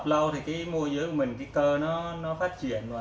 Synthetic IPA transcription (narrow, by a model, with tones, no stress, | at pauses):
p̚lɔ˧wt̪ʰi˨˩kaː˨˦mu˧əzɨː˨˦jku˧˩mï˨˩ŋ̟kaː˨˦t̪əː˧nɔ˨˦nɔ˨˦faː˦˥t̚t͡ɕḭ˧˨ən˨˩